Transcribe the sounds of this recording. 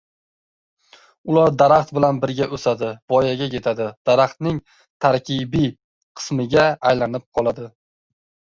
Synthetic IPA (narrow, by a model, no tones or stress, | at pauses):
ʊlaɾd̪aɾaχt̪bɪlanbɪɾɡʲaʔɵsad̪ɪbɒjaɡʲakʰʲe̞t̪ʰad̪ɪd̪̥aɾaχt̪nɪŋ | t̪ʰaɾkʲʰibi | qʰɨ̥smɪɡʲaːjlanɪp̚qʰɒlˠad̪ɪ